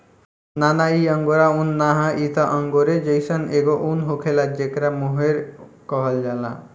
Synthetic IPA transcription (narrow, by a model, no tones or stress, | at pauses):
nanaiɔŋɡoɾaunːaɦaʔit̪ʰaʔɔŋɡoɾed͡ʑejsɔneɡoʔunɦokʰelad͡ʒekɾamuɦeɾkɔɦald͡ʒala̰